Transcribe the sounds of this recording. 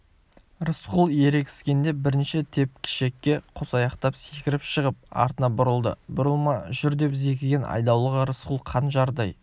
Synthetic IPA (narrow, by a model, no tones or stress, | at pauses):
ɾəsqʊlˠe̞ɾe̞kʲɪ̥skʲe̞nd̪e̞bɪɾɪnʃet̪ʰe̞p̚kʲʰɪ̥ʃe̞kʲːe̞qʰosɑjɑqt̪ɑpse̞kʲɪɾɪpʃəʁəp̚ɑ̰ɾt̪ənɑbʊɾəlˠd̪ə̰bʊɾəlˠmɑʒʏɾd̪e̞pze̞k̬ʲɪɡʲe̞nʔɑ̰jd̪ɑwlˠəʁəɾəsqulˠqʰɑnʒɑɾd̪ɑj